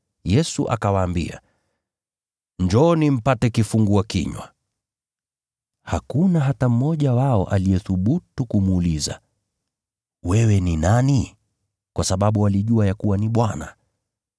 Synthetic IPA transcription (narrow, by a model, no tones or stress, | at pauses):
jɛsuʔa̰kawaːmbḭa̰ | ɲd͡ʒɔnim̩patɛkifuŋɡuakḭɲwa̰ | hakunaɦatam̩ːɔʄawaɔ̰ʔalijɛθuɓutukumuːliza̰ | wɛwɛninani | kwasaɓaɓuwaliʄuajakuwaniɓwana̰